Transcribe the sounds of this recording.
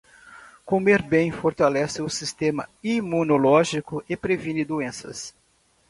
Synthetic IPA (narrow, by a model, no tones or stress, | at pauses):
komeɾbẽj̃foɾt̪alɛsɪʊsist̪ẽmɐ̰imũnolɔʒikʊʔɪpɾevĩnɪd̪uẽsɐ̰s